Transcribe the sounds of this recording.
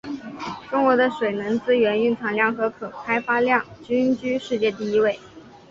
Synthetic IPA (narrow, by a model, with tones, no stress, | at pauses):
ʈ͡ʂʊ˥ŋkwɔ˧˥d̪ə˧ʂwe˨˩ɪnə˧˥nt͡sɹ̩˥ɥɛ˧˥ny˥˩nt͡sʰɑ˧˥ŋljɑ˥˩ŋxɤ˧˥kʰɤ˨˩kʰa˥ɪfa˥ljɑ˥˩ŋt͡ɕy˥nt͡ɕy˥ʂɻ̩˥˧t͡ɕjɛ˥˧t̪̬i˥˩i˧˥we˥˩ɪ